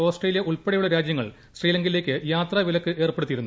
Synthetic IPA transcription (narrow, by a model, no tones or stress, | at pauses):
oːsʈreːlijɐʔuɭpeɽɐjuɭːɐɾaːd͡ʑjɐŋːɐɭ | sriːlɐŋɡile̞ːkʲːɨjaːt̪rɐʋilɐkːɨʔe̞ːrpe̞ɽut̪ːiɾunː